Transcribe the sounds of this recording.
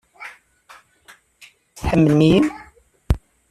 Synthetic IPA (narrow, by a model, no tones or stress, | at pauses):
θħəmːəlmijəm